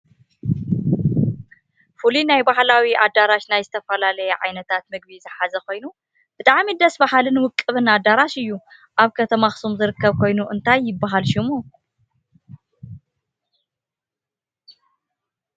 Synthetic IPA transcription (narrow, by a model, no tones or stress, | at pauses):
fulinajbahlawiʔad̪aɾaʃnajzɨt̪ʰɐfɐlalɐjɛʕajnɐt̪ʰat̪mɨɡ̚bizɨħazɐko̞jnu | b̥ɨt̪ʼaʕmid̪ɐsbaɦalɨnwʊkʼːɨβɨnad̪aɾaʃɨjːu | ʔaβkʰɐt̪ʰɐmaxsumzɨɾɨkːɐβkʰo̞jnuʔɨnt̪ʰajːɪbːaɦalʃumu